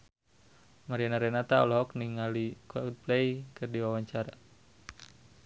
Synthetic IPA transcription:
maɾianaɾɛnat̪aɔlɦɔkniŋalikwaut̪̚plɛikɨrdiwawaɲt͡ʃaɾa

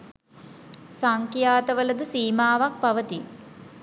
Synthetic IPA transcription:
saŋkjaːt̪əʋələd̪əsiːmaːʋak̚paʋət̪i

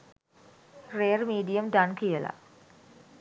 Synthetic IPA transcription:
reːərmiːɖijəmɖankijəla̰

